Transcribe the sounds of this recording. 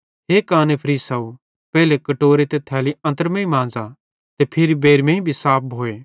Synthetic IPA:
ɦeːkaːnepʰɐɾiːsɐu | pɛːlekɐʈoːɾet̪et̪ʰɛːliɐ̃nt̪əɾmẽĩmãːnd͡za | t̪epʰɪɾibeːɾmẽĩbʱisaːp̚bʱoːeː

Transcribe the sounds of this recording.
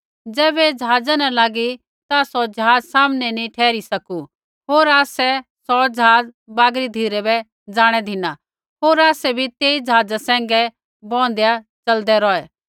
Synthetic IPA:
d͡zɛːbɛd͡ʒəɦaːd͡zanɐlaːɡi | t̪asɔd͡ʒɐɦaːd͡zsaːmnɛnĩʈʰɛːɾisɐku | ɦoːɾaːsɛsɔd͡ʒəɦaːd͡z | baːɡɾid̪ʱiːɾɛbɛ | d͡zaːɽ̃ɛd̪ʱɪna | ɦoːɾaːsɛbʱit̪eːid͡ʒəɦaːd͡zasɛ̃ːŋ̆ɡɛ | bɔ̃ːn̆d̪eja | t͡ʃɐld̪ɛɾɔːɛː

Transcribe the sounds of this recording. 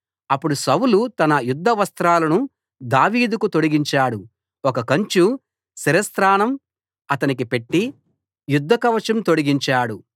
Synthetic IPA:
ɐpːuɽusɐwulut̪ɐnɐjud̪ʱːɐʋɐst̪ɾaːlɐnu | d̪aːʋiːd̪ukut̪o̞ɽiɡiɲt͡ʃaːɽu | ɔkɐkɐɲt͡ʃu | siɾɐst̪ɾaːnɐm | ɐt̪ɐnik̬ipe̞ʈːi | jud̪ʱːɐkɐʋɐt͡ʃɐmt̪o̞ɽiɡiɲt͡ʃaːɽu

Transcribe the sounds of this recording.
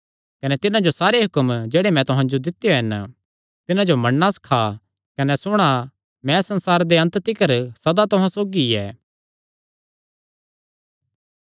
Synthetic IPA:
kɐnet̪ɪnãd͡ʒosaːɾeɦʊkəmd͡ʒɛeːɽemɛ̃t̪ʊɦãd͡ʒod̪ɪt̪ːjoɦɛn | t̪ɪnãd͡ʒomɐɳːaskʰa | kɐnɛsʊɽ̃a | mɛ̃sɐ̃nsaːɾd̪eɐ̃nt̪t̪ɪkəɾsɐd̪at̪ʊɦãsoːɡiɛː

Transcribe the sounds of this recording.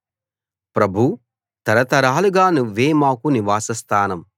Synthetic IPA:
pɾɐbʱu | t̪ɐɾɐt̪ɐɾaːluɡaːnuʋeːmaːkuniʋaːsɐst̪ʰaːnɐm

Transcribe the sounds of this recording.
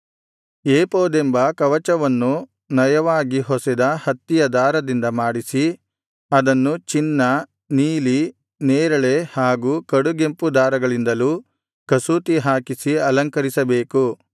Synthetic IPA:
eːpoːd̪embɐkɐʋɐt͡ʃɐʋɐnːu | nɐjɐʋaːɡiɦɔsid̪ɐhɐt̪ːijɐd̪aːɾɐd̪ind̪ɐmaːɽisi | ɐd̪ɐnːut͡ʃinːɐ | niːli | neːɾɐɭe̞haːɡuːkɐɽuɡe̞mpud̪aːɾɐɡɐɭind̪ɐluː | kɐsuːt̪iɦaːkisiɐlɐŋkɐɾisɐbeːku

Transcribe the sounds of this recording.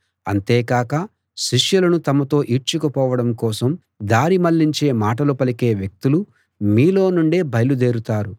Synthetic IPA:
ɐ̰nt̪eːkaːkɐ | ʃiʂjulɐnut̪ɐmɐt̪o̞ːʔiɾt͡ʃukupɔːʋɐɽɐmkɔːsɐm | d̪aːɾimɐlːiɲt͡ʃe̞ːmaːʈɐlupɐlike̞ːʋjek̚t̪ulu | miːlo̞ːnuɳɖe̞ːbʱɐjlud̪e̞ːɾut̪aːɾu

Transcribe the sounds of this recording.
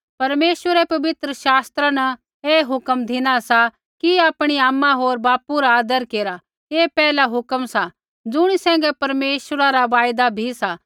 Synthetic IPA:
pɐɾmeːʃʋəɾɛpɐʋɪt̪ɾəʃaːst̪ɾanɐ | eːɦʊkəmd̪ʱɪñasa | kiaːpɽ̃iaːmːaɦoːɾbaːpuɾaaːd̪əɾkeːɾa | eːpɛːlaɦʊkəmsa | d͡zʊɽ̃isɛ̃ːŋɡɛpɐɾmeːʃəɾaɾaʋaːjd̪abʱisa

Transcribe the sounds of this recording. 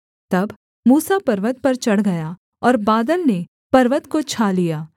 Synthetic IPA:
t̪ɐb | muːsapɐɾʋət̪̚pɐɾt͡ʃɐɽ̤ɡɐja | ɔːɾbaːd̪əlne | pɐɾʋət̪kot͡ʃʰaːlijaː

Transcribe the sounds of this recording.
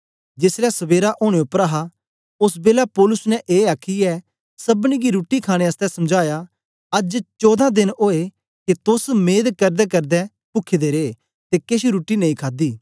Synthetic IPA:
d͡ʒɪslasɐbeːɾaʔoːɽ̃eʊpːəɾaːɦa | ʊsbeːlapɔːlʊsnɛ̃ʔeːaːkʰiɛː | sɐbniɡiɾuːʈːikʰaːɽ̃eɐst̪ɛsɐmd͡ʒaːja | ɐd͡ʒt͡ʃɔːd̪ãd̪ɪnoːe | ket̪ʊsmeːd̪kɐɾd̪ɛkɐɾd̪ɛ | pʊkʰːed̪eɾeː | t̪ekeʃiɾuːʈːinɐĩːkʰaːd̪iː

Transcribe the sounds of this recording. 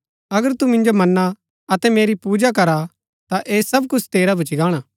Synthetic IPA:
ɐɡəɾt̪umɪ̃nd͡ʒomɐnːa | ɐt̪ɛmeːɾipuːd͡ʒak̬ɐɾa | t̪aʔeːsɐbkʊt͡ʃʰt̪eːɾabʱʊt͡ʃɪɡaːɽ̃aː

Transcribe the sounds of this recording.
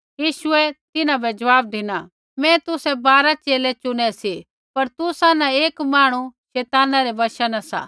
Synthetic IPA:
jiːʃʊɛt̪ɪnãbɛd͡ʒɐʋaːb̚d̪ɪna | mɛ̃t̪ʊsɛbaːɾat͡ʃeːlɛt͡ʃʊɽ̃ɛsi | pɐɾt̪ʊsanãeːkmaːɽ̃uʃɛːt̪aːnãɾɛʋɐʃanasa̰ː

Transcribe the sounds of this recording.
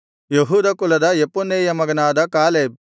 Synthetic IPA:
jeɦuːd̪ɐkulɐd̪ɐjepunːeːjɐmɐɡɐnaːd̪ɐkaːleːb̚

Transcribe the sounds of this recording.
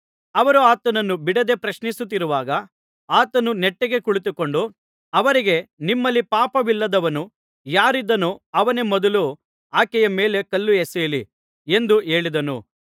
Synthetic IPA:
ɐʋɐɾuaːt̪ɐnɐnːubiɽɐd̪e̞pɾɐʃnisut̪̬ːiɾuʋaːɡɐ | aːt̪ɐnunɛʈːeɡe̞kuɭit̪uko̞ɳɖu | ɐʋɐɾiɡe̞nimːɐlːipaːpɐʋilːɐd̪ɐʋɐnu | jaːɾid̪ːɐnuɐʋɐne̞mɔd̪ɐlu | aːkɛjɐmeːle̞kɐlːuɛsejli | e̞nd̪ue̞ːɭid̪ɐnṵ

